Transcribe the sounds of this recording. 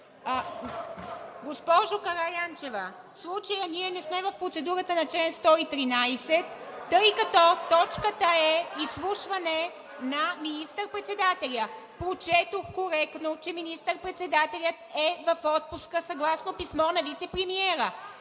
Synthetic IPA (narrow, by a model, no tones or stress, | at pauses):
ɡospɔʒokɐɾajant͡ʃɛvə | slˠut͡ʃɐjəniɛnɛsmɛvɐfpɾot̪sɛd̪uɾət̪ənɐt͡ʃlɛnst̪ɔit̪ɾinajsɛt̪ːɤjkɐt̪ɔt̪ɔt͡ʃkət̪əɛislˠuʃvɐnɛ | nɐminist̪əɾpɾɛt̪sɛd̪at̪ɛlʲə | pɾot͡ʃɛt̪oxkoɾɛkt̪not͡ʃɛminist̪əɾpɾɛt̪sɛd̪at̪ɛlʲət̪ɛvɐfɔt̪̚puskəsɐɡlˠasnopismɔnɐvit̪sɛpɾɛmiɛɾə